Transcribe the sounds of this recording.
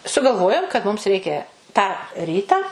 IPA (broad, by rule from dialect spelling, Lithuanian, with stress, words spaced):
sʊɡɐlˠˈʋoːjoːm kɐt mʊms ˈrʲɛɪkʲɛ tɑː ˈrʲiːtɑː